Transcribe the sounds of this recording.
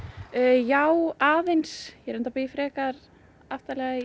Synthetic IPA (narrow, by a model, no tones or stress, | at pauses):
jaːwaːðejnsjɛɾɛnt̪apeːjɪfɾɛːkaɾ | aft̪alɛɣa